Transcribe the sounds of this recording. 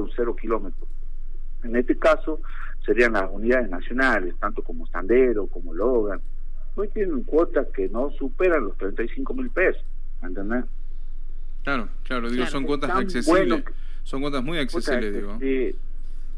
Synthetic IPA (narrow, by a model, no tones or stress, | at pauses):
unseɾokilomet̪ɾo | enest̪ekaso | seɾianlasuniðaðeznasjonalest̪ant̪okomoest̪a̰nd̪eɾokomoloɣan | nojt̪jeneŋkwot̪askenosupeɾanlost̪ɾent̪ajsiŋkomilpeso̥ | ment̪end̪e | klaɾoklaɾoðiɣosoŋwot̪asaksesweno | soŋkwot̪azmujaksesilezðiɣoi